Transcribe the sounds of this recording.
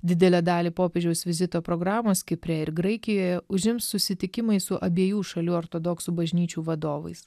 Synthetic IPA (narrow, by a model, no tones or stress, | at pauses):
d̪ʲɪd̪ʲɛlʲɛd̪ɑːlʲiːpoːpʲeːd͡ʒʲɛʊsʋʲɪzʲɪt̪oːpɾoːɡɾɑːmoːskʲɪpʲɾʲɛɪɾɡɾɐɪkʲɪjoːjɛʊʒʲɪmssʊsʲɪt̪ʲɪkʲɪmɐɪsʊʔɐbʲeɛjuːʃɐlʲuːɔɾt̪oːd̪ɔksubɐʒʲnʲiːt͡ʃʲuːʋɐd̪oːʋɐ̰ɪs